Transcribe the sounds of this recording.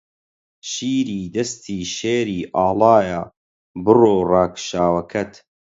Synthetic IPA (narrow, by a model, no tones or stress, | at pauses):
ʃiːɾiːd̪ɐst̪ʰiːʃeːɾiːʔaːlɑːja | bɨroːrɑːkʃaːwɐkʰɐt̪